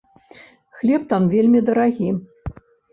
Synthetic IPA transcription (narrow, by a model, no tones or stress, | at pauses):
xlʲɛpt̪amvʲelʲmʲid̪ɐɾaɣʲi